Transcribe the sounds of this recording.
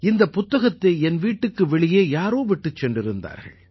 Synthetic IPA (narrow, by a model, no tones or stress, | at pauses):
ɪnd̪ɐpʊt̪ːɐɣɐt̪ːeɛnʋiːʈːɯkːɯʋɛɭɪjeːjaːɾoːʋɪʈːɯt͡ʃːɛndrɪɾɯnd̪a̰ːɾɣɐ̰ɭ